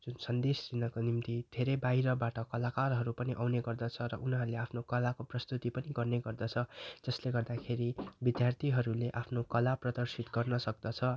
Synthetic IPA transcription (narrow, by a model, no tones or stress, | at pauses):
d͡zunsʌnd̪est͡sinʌkonimt̪id̪ʱeɾʌjbaɦiɾʌbaʈʌkʌlakarɦʌɾupʌniʔawneɡʌrd̪ʌt͡sʰʌɾʌ̰ʔunɦʌleapʰnokʌlakoprʌst̪ut̪ipʌniɡʌrneɡʌrd̪ʌt͡sʰʌd͡zʌsleɡʌrd̪akʰeɾibid̪jart̪ʰiɦʌɾuleʔapʰnokʌlaprʌd̪ʌrsit̪ɡʌrnʌsʌk̚d̪ʌt͡sʰʌ